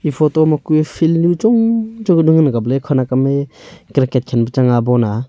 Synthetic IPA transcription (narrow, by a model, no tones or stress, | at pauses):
ipʰɔtɔmakupʰillut͡ʃɔŋd͡ʒɔdɯŋɯnɡablekʰɯnakamekɾaket̚kʰenbɯt͡ʃaŋabɔna